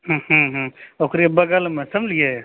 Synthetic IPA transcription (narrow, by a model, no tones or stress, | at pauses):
ɦhũɦũokɾibəɡəlmesəmlije